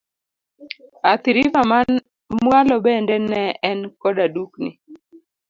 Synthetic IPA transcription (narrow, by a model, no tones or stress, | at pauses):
at̪ɪɾivaman | mwalɔbɛndɛnɛɛnkɔdaduknɪ̰